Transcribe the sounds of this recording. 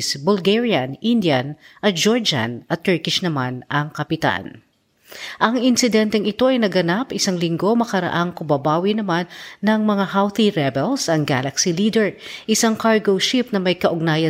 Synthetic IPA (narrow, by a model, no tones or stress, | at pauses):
sbʊlɡɛɹiɐnʔind̪jɐn | ʔɐt̪̚d͡ʒoɹd͡ʒa̰nɐt̪ːɛɹkɪʃnɐmanʔɐŋkɐpɪt̪a̰n | ʔɐŋɪnsɪd̪ɛnt̪ɛŋɪt̪o̞ʔɐjnɐɡɐnapʔɪsaŋlɪŋɡo̞mɐkɐɾɐ̰ʔaŋkʊmbɐbaːwinɐmanːɐŋmɐŋahawθiɹɛbɛlsɐŋɡalɐksiliːd̪ɛɹʔɪsaŋkaɹɡowʃip̚nɐmɐjkɐʔʊɡ̚naːjɐ